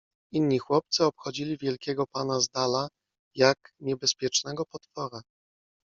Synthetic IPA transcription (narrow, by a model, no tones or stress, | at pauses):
inːɲixwɔp̚t̪sɘɔpxɔd͡ʑilʲivʲjɛlkʲɛɡɔpanazd̪ala | jakɲɛbɛspʲjɛt͡ʂnɛɡɔpɔt̪fɔɾa